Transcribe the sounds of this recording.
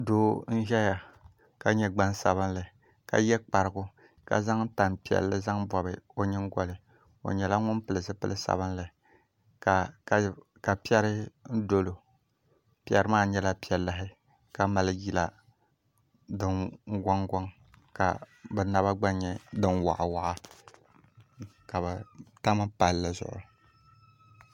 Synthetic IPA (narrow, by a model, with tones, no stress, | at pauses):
doː˦n̩˦ʒɛ˦ja˨ | ka˨ɲɛ˦ɡ͡ba˦nsa̰˨βɨ˦n˦lɨ˨ | ka̰˨jɛ˦k͡pa˨ɾɨ˨ɡʊ˦ | ka̰˨za˦ŋ˦ta˨npi˨ɛ̰˨lːɨ˦za˦ŋbɔ˨bɨ˨o˦ɲɨ˦ŋ˦ɡɔ˨lɨ˨ | o̰˨ɲɛ˨la˦ŋʊ˦npɨ˨lɨ˨sɨ˦pɨ˦lʔɨ˦sa̰˨bɨ˦n˦lɨ˨ | ka˨ | ka˨pi˦ɛ˦ɾɨ˦n̩˦do˦lo˨ | pi˦ɛ˦ɾɨ˦maː˦ɲɛ˦la˦pi˨˦ɛ˨lːɨ˦ɦɪ˦ | ka˨ma˨lɨ˦ji˨la˨ | dɨ˨n˦ɡɔ˦ŋɡɔ˦ŋ | ka̰˨ | bɨ˨na˦ba˦ɡ͡ba˦ɲɛ˨dɨ˦nwa̰˨ʔa˨wa˨ʔa˦ | ka˨bɨ˨ta˦ma˦pa˨lːɨ˨zʊ̰˦˨ʔʊ̰˨